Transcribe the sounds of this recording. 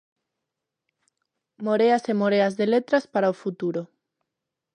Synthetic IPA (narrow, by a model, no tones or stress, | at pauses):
moɾeasemoɾeazðelet̪ɾaspaɾaofut̪uɾo